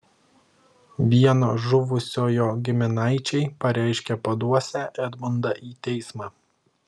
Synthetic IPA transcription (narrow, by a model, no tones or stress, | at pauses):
ʋʲiɛnoːʒʊʋʊsʲoːjoːɡʲɪmʲɪnɑɪt͡ʃʲɛɪpɐɾʲɛˑɪʃʲkʲɛpɐd̪uɔsʲæːʔɛd̪mʊnd̪ɑʔiːt̪ʲɛɪsmɑː